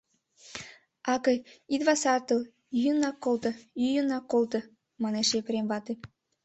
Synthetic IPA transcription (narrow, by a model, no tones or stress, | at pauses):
ɑkəjid̪βɑsɑrt̪ə̆l | jyjənːɑkːolt̪ɤ̆jyjənɑkːolt̪ɤ̆ | mɑneʃjepɾemβɑt̪e